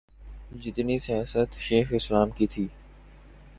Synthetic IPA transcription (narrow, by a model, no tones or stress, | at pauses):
d͡ʒɪt̪nisijaːsət̪ʃeːxɪslaːmkit̪ʰiː